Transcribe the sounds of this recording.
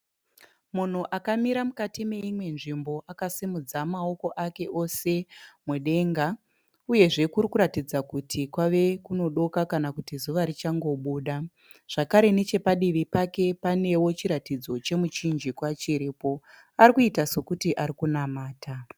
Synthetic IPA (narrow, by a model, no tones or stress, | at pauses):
mun̤uʔakamiɾamukatime̞imwe̞nʐimbo̞ʔakasimud͡zamao̞ko̞ʔake̞ʔo̞se̞mweɗe̞ŋɡa | uje̞ʐe̞kuɾikuɾatid͡zakutʰikwaʋe̞kuno̞ɗo̞kakanakutizuʋaɾit͡ʃaŋɡo̞ɓuːɗa | ʐ̥akaɾe̞ne̞t͡ʃe̞paɗiʋipake̞pane̞wo̞t͡ʃiɾatid͡zo̞t͡ʃe̞mut͡ʃind͡ʒikwat͡ʃiɾiːpo̞ | arikuitaso̞kutiʔaɾikunamaːta